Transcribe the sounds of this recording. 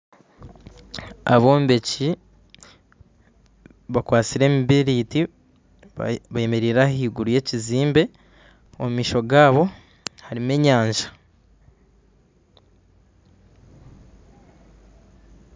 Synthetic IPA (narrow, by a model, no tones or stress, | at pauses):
a̰βo̞ːmbe̞ci | βakwaːt͡siɾe̞ːmiβiɾiːti | βaje̞me̞ɾiɾahiːɡuɾuje̞ːciziːmbe̞ | omumiːʃo̞ɡaːβo̞ | haɾime̞ːɲaːɲʒa